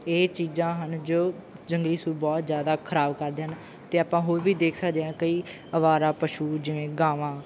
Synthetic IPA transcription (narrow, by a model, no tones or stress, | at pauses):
eːt͡ʃiːzãːɦənd͡ʒoːd͡ʒəŋɡliːsuːɾbɔːt̪zjaːd̪aːkʰəɾaːbkəɾd̪eːɦən | t̪eːaːpãːɦoːɾʋiːd̪eːkʰsəkd̪eːãːkəiː | əʋaːɾãːpəʃuːd͡ʒɪʋẽːɡaːʋãː